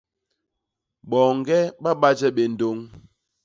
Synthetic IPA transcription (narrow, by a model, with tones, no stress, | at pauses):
ɓɔ˨ŋ˨ɡɛ˦ɓa˦ɓa˦d͡ʒɛ˦ɓe˨n̩˨do˦ŋ